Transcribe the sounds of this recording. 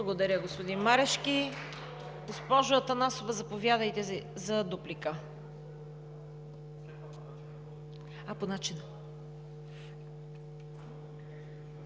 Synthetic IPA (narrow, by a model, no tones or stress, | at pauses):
blˠəɡod̪ɐɾʲəɡospod̪inmaɾɛʃkʲi | ɡospɔʒoət̪ɐnasovəzɐpovʲjad̪əjt̪ɛzɐd̪uplikə | ɐponat͡ʃinə